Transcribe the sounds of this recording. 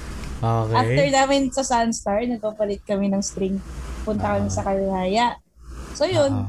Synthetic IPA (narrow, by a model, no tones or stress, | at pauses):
ʔokʔaft̪ɛɹnaːmɪnsɐsanst̪aɹnɐɡ̚pabɐlɪt̪̚kɐmɪnɐŋst̪ɾɪŋpʊnt̪ɐkɐmɪsɐkɐlɪhaːjɐʔ | sojon